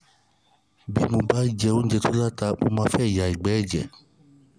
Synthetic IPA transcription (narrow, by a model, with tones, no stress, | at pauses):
bi˨˦mo˧ba˦d͡ʒɛ˧o˦n̩˦d͡ʒɛ˧to˦la˦˨ta˧mo̰˧mãː˧˦fɛ˦˨ja˨i˨ɡ͡bɛ˨˦ɛ˦˨d͡ʒɛ˨